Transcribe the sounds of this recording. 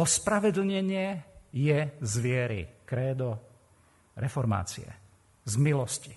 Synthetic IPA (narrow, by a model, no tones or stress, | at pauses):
ɔspɾaʋɛd̪l̩ɲɛɲɪɛjɛzʋɪɛɾḭkɾɛːd̪ɔ | ɾɛfɔɾma̰ːt͡sḭɛ̰ | zmilɔsci̥